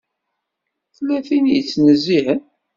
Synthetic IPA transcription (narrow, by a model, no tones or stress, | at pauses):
θlːæθinjət͡sːnəzːiɦən